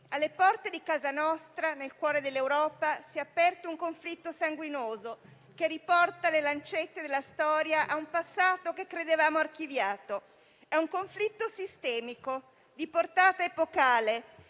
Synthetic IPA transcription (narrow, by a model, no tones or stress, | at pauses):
alːepɔrt̪ed̪ikaːzanɔst̪ɾanelkwɔːɾed̪elːewɾɔːpasiɛapːɛrt̪ouŋkoɱflit̪ːosaŋɡwinoːzo | kerːipɔrt̪alelant͡ʃet̪ːed̪elːast̪ɔːɾjaʔaumpasːaːt̪okekːɾed̪evaːmoark̟ivjaːt̪o | ɛuŋkoɱflit̪ːosist̪ɛːmiko | d̪iport̪aːt̪aepokaːle